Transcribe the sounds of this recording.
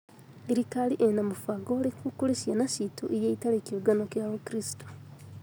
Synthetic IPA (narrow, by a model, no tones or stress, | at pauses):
iɾikaliʔenamufaɡoːlikukulesjanasitʰoʔejeitalekoɡanokjaːwokɾisi̥to